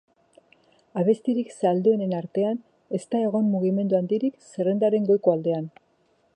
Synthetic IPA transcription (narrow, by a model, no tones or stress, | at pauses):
aβ̞e̞st̪iɾiksald̪oene̞naɾt̪e̞an | e̞st̪ae̞ɣ̞o̞mmuɣ̞ime̞nd̪uand̪iɾikse̞re̞nd̪aɾe̞ŋɡo̞jkoald̪e̞an